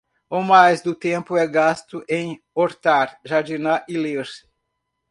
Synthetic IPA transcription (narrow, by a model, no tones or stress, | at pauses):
omajzd̪ʊt̪ẽmpʊɛɡast̪ʊʔẽj̃ | oɾt̪aɾʒaɾd͡ʒinaʔɪleɾ